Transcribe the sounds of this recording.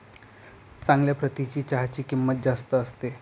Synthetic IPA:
t͡sãŋɡljapɾət̪it͡ɕiːt͡ɕaɦat͡ɕiːkimːət̪̚d͡zast̪əːst̪e

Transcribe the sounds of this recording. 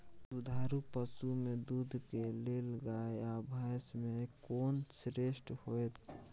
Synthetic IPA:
sud̪ʱaɾupəsumed̪ud̪ʱkeleləɡaeabʱajsmekoːnsɾesʈhoet̪ʰ

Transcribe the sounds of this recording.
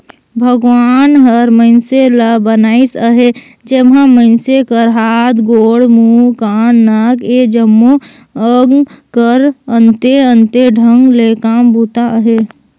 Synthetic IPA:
bʱəɡʋaːnɦəɾməɪnseləbənaːisəɦe | d͡ʒemãməɪnsekəɾɦaːt̪ɡoːɽmukaːnːaked͡ʒəmːo | əɡkəɾə̃nt̪eənt̪eɖʱəŋɡlekaːmbuːt̪aəɦe

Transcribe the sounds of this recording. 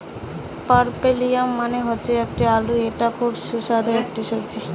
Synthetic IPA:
paɾpelijamːaneɦotːɕʰeek̚ʈialueʈakʰubʃusad̪ʱaek̚ʈiʃoɾt͡ɕʰi

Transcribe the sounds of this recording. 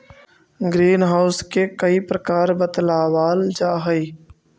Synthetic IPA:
ɡɾiːnɦaːʊskekəiːpɾəkaːɾbət̪laːʋaːld͡ʒaːɦəiː

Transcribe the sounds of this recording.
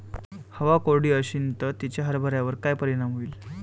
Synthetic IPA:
həʋakoɽiːəɕint̪ət̪it͡ɕaɦəɾbʱəɾjaʋəɾkajpəɾiɽ̃amɦoiːl

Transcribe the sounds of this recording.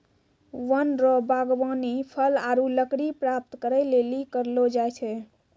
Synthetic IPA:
ʋənɾɔbaɡʋanipʰəlaɾuləkɽipɾap̚t̪kəɾəjlelikəɾlod͡ʒajt͡ʃʰɛ

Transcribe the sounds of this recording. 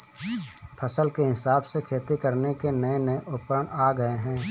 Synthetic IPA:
pʰəsəlkeɦɪsaːbsekʰeːt̪ikəɾnekemɛ̃ːmẽʔʊpɾəɽ̃aːɡəeɦɛ̃ː

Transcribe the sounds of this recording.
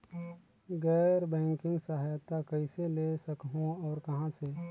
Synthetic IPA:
ɡɛːɾbɛ̃ːŋkɪ̃ŋɡsəɦajt̪akəɪselesəkɦõɔːɾkɐɦãse

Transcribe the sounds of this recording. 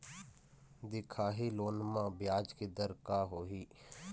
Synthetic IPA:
d̪ɪkʰaːɦiːloːnmãːbɪjaːd͡ʒkid̪əɾkaːɦoːɦiː

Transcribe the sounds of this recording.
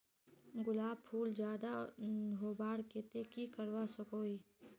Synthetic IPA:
ɡʊlaːb̚pʰuːld͡ʒjaːd̪aɦoːbaːɽket̪ekikəɾwasəkoːiː

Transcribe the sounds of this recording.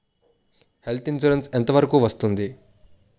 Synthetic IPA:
he̞lt̪int͡ʃuɾensent̪ɐʋɐɾɐkuːʋɐst̪und̪i

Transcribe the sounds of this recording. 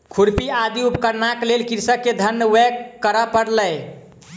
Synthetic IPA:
kʰuɾpiad̪iupkəɾnaklelkiɾsəkːed̪ʱənːəwɛkkːəɾəpəɽləj

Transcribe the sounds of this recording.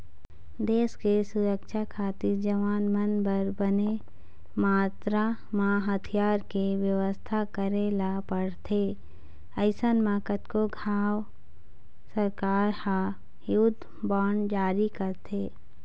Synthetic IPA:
d̪eːskesʊɾəkʃakʰaːt̪iɾd͡ʒəʋaːnmənbəɾbəne | maːt̪ɾa | maːɦət̪ʰijaːɾkeʋjəʋəst̪ʰakəɾelapəɽt̪ʰe | əɪsənmakət̪koɡʱaːw | səɾkaːɾha | jʊd̪ʱ | baːɳd͡ʒaːɾikəɾt̪ʰeː

